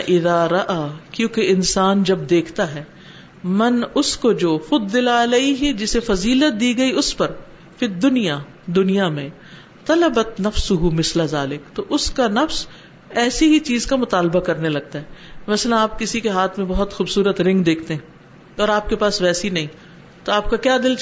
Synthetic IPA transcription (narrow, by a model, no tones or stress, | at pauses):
ʔɪðaːɾɐʔaːkjõːkeɪnsaːnd͡ʒɐb̚d̪eːkʰt̪aɦɛː | mɐnʊskod͡ʒoːfɐd̪ːɪlaɐleːiɦid͡ʒɪsefɐziːlət̪̚d̪iːɡɐiʊspɐɾ | fɪd̪ʊnija | d̪ʊnijamẽ | t̪ɐlɐbɐt̪nɐfsʊɦumɪslazaːlɪkt̪oʔʊskanɐfs | ɛːsiɦit͡ʃiːzkamʊt̪aːlbakɐɾnelɐɡ̚t̪aɦɛːmɐslə̃naːp̚kɪsikeɦaːt̪ʰmẽbɔɦʊt̪xuːbsuːɾət̪ɾɪ̃ŋɡd̪eːkʰt̪eɦɛ̃ː | ɔːɾaːp̚kepaːsʋɛːsinɐɦĩ | t̪oaːp̚kakjaːd̪ɪl